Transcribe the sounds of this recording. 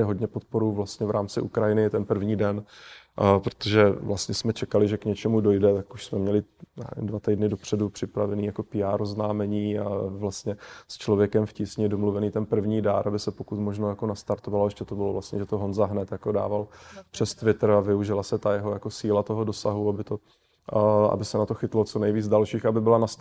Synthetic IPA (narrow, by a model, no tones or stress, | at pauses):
ɪɦo̞dɲɛpo̞t̪̚po̞ɾuvlast̪ɲɛvɾaːmt͡sɪʔukɾajɪnɪt̪ɛnpr̩vɲiːdɛn | pɾo̥t̪oʒɛvlast̪ɲɛsmɛt͡ʃɛkalɪʒɛkɲɛt͡ʃɛmudo̞jdɛt̪akuʃsmɛmɲɛlɪa̰ːɛ̰ndvat̪ɛjdnɪdo̞pr̝̥ɛdupr̝̥ɪpɾavɛniːjako̞pɪaːɾoznaːmɛɲiːavlast̪ɲɛst͡ʃlo̞vjɛkɛmfcisɲɪdomluvɛniːt̪ɛnpr̩vɲiːdaɾʔabɪsɛpo̞kut̪mo̞ʒnojako̞nast̪aɾt̪ovaloɛʃcɛt̪obɪlo̞vlast̪ɲɛʒɛt̪oɦo̞nzaɦnɛt̪jakoda̰ːvalpr̝̥ɛst̪vɪt̪ɾ̩avɪuʒɪlasɛt̪ajɛɦojako̞siːlat̪o̞ɦo̞do̞saɦuabɪt̪o̞ | a̰bɪsɛnat̪o̞xɪt̪lot͡sonɛjviːd͡zdalʃiːxabɪbɪlanas